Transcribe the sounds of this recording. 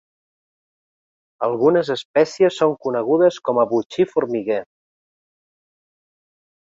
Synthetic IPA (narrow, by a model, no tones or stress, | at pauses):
əlˠɣunəzəspɛsiəsːoŋkunəɣ̞uðəskɔməβut͡ʃifuɾmiɣe